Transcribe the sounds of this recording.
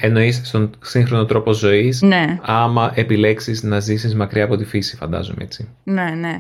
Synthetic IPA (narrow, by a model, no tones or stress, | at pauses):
e̞no̞isst̪o̞nsiŋxɾo̞no̞t̪ɾo̞po̞zo̞isneɐmɐʔe̞pile̞ksiznɐzisizmɐkɾiɐːpo̞t̪ifisi̥fɐ̰nd̪ɐ̰zomee̞̰t͡si | nene